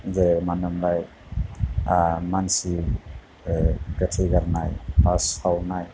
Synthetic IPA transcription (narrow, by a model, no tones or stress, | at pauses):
zemanɯmɾaj | mansi | ɡatʰeɡaɾnajpashawnaj